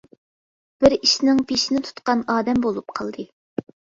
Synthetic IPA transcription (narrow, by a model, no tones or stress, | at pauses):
b̥ɪɾiʃnɪŋpʰeʃinɪt̪ʰu̥t̪qɑnɑːd̪ɛmbolˠup̚qʰɑlˠd̪ɨ